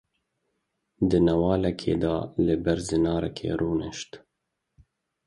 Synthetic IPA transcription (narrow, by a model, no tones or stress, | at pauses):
d̪ɨnɛwɑːlɛkʰḛːd̪ɑːlɨbæɾzɨnɑːɾɛ̰kʰḛːɾuːnɨ̰ʃt̪